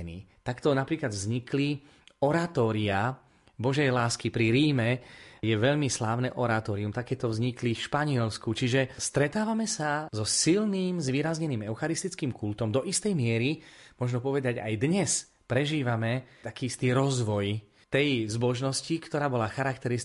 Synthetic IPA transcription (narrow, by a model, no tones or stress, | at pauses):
nḭːt̪akt̪ɔnapɾiːklad̪vzɲikli | ɔɾat̪ɔːɾia | bɔʒɛjlaːskipɾiɾiːmɛjɛʋɛʎmislaːʊnɛʔɔɾat̪ɔːɾiumt̪akɛːt̪ɔvzɲiklifʃpaɲɪɛlskut͡ʃiʒɛst̪ɾɛt̪aːʋamɛsazɔsilniːmzʋiːɾazɲɛniːmɛʊxaɾist̪it͡skiːmkult̪ɔmd̪ɔʔist̪ɛjmɪɛɾimʊɔʒnɔpɔʋɛd̪aɟa̰jd̪ɲɛs | pɾɛʒiːʋamɛt̪akiist̪iɾɔzʋɔj | t̪ɛjzbɔʒnɔscikt̪ɔɾaːbɔlaxaɾakt̪ɛɾis